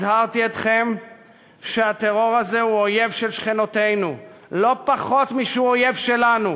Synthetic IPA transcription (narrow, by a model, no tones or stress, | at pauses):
haʁt̪iet̪χe̞m | ʃeat̪eʁo̞ʁazehuoje̞vʃelʃχenot̪e̞jnulo̞paχo̞t̪miʃeuoje̞vʃelanu